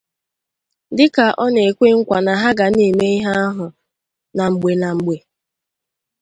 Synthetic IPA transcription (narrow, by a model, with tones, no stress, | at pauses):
dɪ˦ka˨ʔɔ˦ne˨kʷe˦ŋ̩˦kʷa˨na˨ɦa˦ɡa˨ni˦˨me˦i˦ɦa˦a˦ɦʊ˨ | na˨ŋ͡m̩˨ɡ͡be˨na˨ŋ͡m̩˨ɡ͡be˨